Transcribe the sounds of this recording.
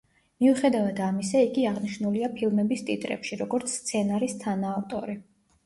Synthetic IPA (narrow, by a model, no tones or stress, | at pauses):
miuχɛd̪avad̪amisɛiɡiaʁniʃnuliapʰilˠmɛbist̪ʼit̪ʼɾɛ̰pʃiɾɔɡɔɾt̪sʰst̪sʰɛnaɾist̪ʰanaːft̪ʼɔ̰ɾi